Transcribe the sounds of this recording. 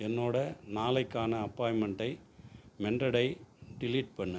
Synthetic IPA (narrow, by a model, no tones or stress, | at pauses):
ɛnːoːɽɐnaːlɐɪkːaːnɐɐpːaːjmɛɳɖɐɪmɛɳdɐɽɐɪɖɪliːʈ̚pɐɳːɯ